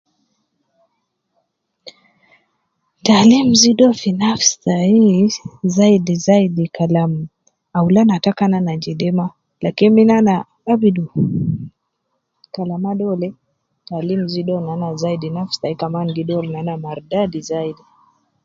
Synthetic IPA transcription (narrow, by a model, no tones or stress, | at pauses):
talim̩ziɗɔfinafstaizaidizaidikalam̩ | aulanatakananad͡ʒidɛma | lakiniminana | abidu | kalamaɗɔlɛ | talim̩ziɗɔnanazaidinafstaikamanɡidɔɾnanamaɾdadizaidi